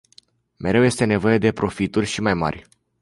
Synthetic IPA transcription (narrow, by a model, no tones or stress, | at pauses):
me̞ɾe̞wje̞st̪e̞ne̞vo̞je̞d̪e̞pɾo̞fit̪urʲʃimajma̰rʲ